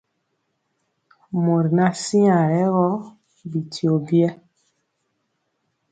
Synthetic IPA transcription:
mo˨ɾna˦si˦ã˨ɾɛ˦ɣɔ˦ | bi˨ti˨o˨bi˦ɛ˦

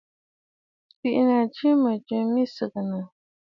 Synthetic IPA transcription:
ti˦˨ʔna˨t͡ʃi˦mə˨t͡ʃə˦mi˦sə˨k̚nə˨

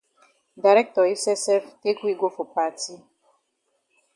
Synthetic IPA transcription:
da˨ɾɛ˦k̚tɔ˨i˦sɛ˦sɛ˦fte˦ku˦i˦ɡo˦fo˨pa˨ti˦

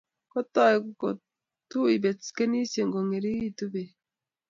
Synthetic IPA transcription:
ko˦t̪a˦˨je˨kuko˨ | tu˦i˨be˨t͡ske˦ni˦se˨ŋɡo˨ŋe˨ɾi˦i˦tu˦be˨

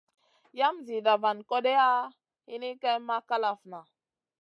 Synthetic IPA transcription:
ja˦mzi˨da˨va˨nko˦de˦a˦ | hi˦ni˦ka˦jma˦ka˦la˨fna˨

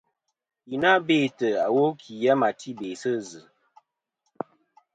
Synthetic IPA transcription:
i˨na˦be˦˨tə˨a˨wo˦kʰi˨ja˦ma˨tʰi˦be˨sə˦zɨ˨

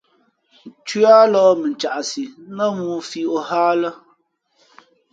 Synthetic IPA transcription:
t͡ʃu˦a˦lɔː˦mɨ˨n̩˨t͡ʃa˨ʔa˨si˨˦nə˦muː˦fi˦o˦haː˦lə˦

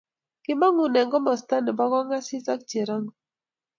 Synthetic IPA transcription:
kɪ˦ma˦ŋu˨nɛ˨ŋɡɔ˦mɔ˨sta˦nɪ˨ba˦ɡɔ˦ŋa˦sɪ˦sa˦k̚t͡ʃe˨ɾa˦ŋ˨

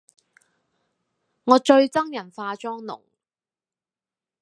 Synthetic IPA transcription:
ŋɔː˨˧t͡ʃɵ˧ɥt͡sɐ˥ŋjɐ˨˩nfaː˧t͡ʃɔː˥ŋnʊ̰˨˩ŋ

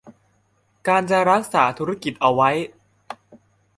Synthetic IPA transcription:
kaː˧nt͡ɕa˨˩ɾa˦˥k̚saː˩˦t̪ʰu˦˥ɾa˦˥ki˨˩t̪̚ʔa˨˩wa˦˥j

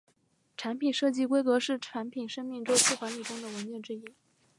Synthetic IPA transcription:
ʈ͡ʂʰa˧˥npʰi˨˩nʂɤ˥˧t͡ɕi˥˩kwe˥ɪkɤ˧˥ʂɻ̩˥˩ʈ͡ʂʰa˧˥npʰi˨˩nʂɤ˥ŋmi˥˩ŋʈ͡ʂo˥ʊt͡s̩ʰ˥˩kwa˧˥nli˨˩ʈ͡ʂʊ˥ŋd̪ə˨˩wə˧˥nt͡ɕɥɛ˥˩nʈ͡ʂɻ̩˥˧i˥˩

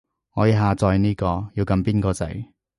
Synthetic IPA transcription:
ŋɔː˨˧ji˨˧ɦaː˨˧t͡sɔː˧jniː˥kɔː˧jiː˧wkɐ˧mpiː˥nkɔː˧t͡sɐ̰˨˥j

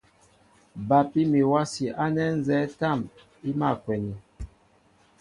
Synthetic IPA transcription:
ba˨pi˦mi˨wa˦si˨ʔa˦nɛ˦n̩˦zɛ˦ta˦˨m | i˦ma˦˨kwɛ˨ni˨

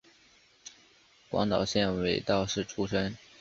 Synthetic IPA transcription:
kwɑ̰˧˥ŋt̪ɑ˨˩ʊɕjɛ˥˩nwe˨˩ɪt̪ɑ˥˧ʊʂɻ̩˥˩ʈ͡ʂʰu˥ʂɤ˥ŋ

